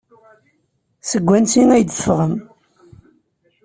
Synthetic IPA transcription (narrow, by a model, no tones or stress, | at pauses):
səɡʷːænsiŋæjd̪əfʁəm